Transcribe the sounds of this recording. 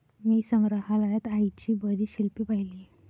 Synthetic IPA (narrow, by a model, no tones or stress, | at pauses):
misəŋɾəɦalajat̪ajt͡ɕibəɾiːɕilpipaɦili